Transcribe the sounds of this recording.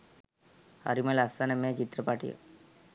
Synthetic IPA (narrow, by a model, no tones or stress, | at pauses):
ha̰ɾimelasanemẽt͡ʃit̪ɾəpaʈijə̰